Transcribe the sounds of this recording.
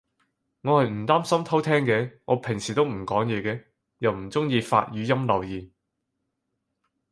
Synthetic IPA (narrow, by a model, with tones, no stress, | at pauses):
ŋɔː˨˧hɐ˨jm̩˨˩t̪aː˥msɐ˥mt̪ʰɐ˥wt̪ʰɛː˥ŋkɛː˨˧ŋɔː˨˧pʰɪ˨˩ŋsiː˨t̪o˥wm̩˨˩kɔː˨˥ŋjɛː˨˧kɛː˧ | jɐ˨˧wm̩˨˩t͡sʊ˥ŋjiː˧fa̰ː˧t̚jyː˨˧jɐ˥mlɐ˨˩wjiː˨˩n